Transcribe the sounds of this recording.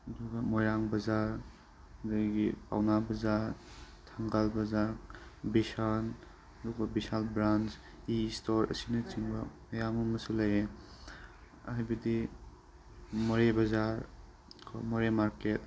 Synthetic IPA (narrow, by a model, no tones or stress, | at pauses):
ɐduɡɐmɔjɾaŋbɐzaɾ | daɡipʰa̰wnabɐzaɾ | tʰaŋɡalbɐzaɾbisan | ɐduɡɐbisalbɾand͡ʒ | istoɾɐ̰sinɐt͡ʃiŋbɐmɐjamɐmɐsulaje | hajbɐdi | mɔɾebɐzaɾ | kʰɔ̰mɔɾemaɾket̚